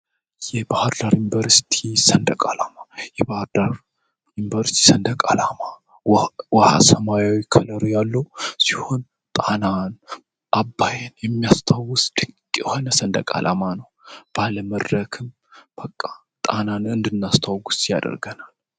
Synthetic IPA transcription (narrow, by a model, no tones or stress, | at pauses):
jɛbahəɾdaɾjɪnvəɾsi̥t̪ʰisənd̪əkʼalamajɛbahəɾd̪aɾ | jɪnvəɾsi̥t̪ʰi̥sənd̪əkʼalama | waha̰səmajawikʰələɾjalːəwsiho̞n | t̪ʼanan | ʔabːajɛnjɛmːijast̪ʰawːʊsd̪̥ɨkkʼːho̞nəsənd̪ə̰kʼa̰lʔa̰manəwb̥aləməd̪ɾəkʰɨm | b̥əkʼːa | t̪ʼananɨnd̪ɨnːast̪ʰawɡusja̰d̪ə̰ɾɡənal